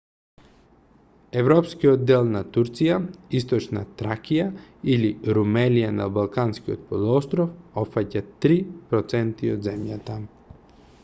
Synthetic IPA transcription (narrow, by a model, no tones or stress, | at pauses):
ɛvɾɔpskiɔd̪d̪ːɛlˠnat̪uɾt̪sijaist̪ɔt͡ʃna̰t̪ɾakijailiɾumɛlijana̰balˠkanskiɔ̰t̪̚pɔlˠɔst̪ɾɔfɔpfacat̪ɾipɾɔt̪sɛnt̪iɔd̪zɛmjat̪a